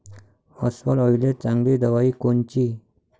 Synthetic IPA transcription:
əsfəlɔjlet͡sãŋɡlid̪əʋaiːkont͡ɕiː

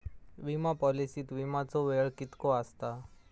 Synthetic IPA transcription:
ʋimapɔlisit̪ʋimãt͡soʋeɭkɪt̪koast̪a

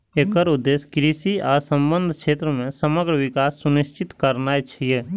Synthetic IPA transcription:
eːkəɾʊd̪ːeːskɾiːsiaːɾsə̃mbə̃nd̪ʱkʃeːt̪ɾəmẽsəməɡɾəʋɪkaːsːʊnɪʃt͡ʃɪt̪kəɾnaet͡ʃʰijeː

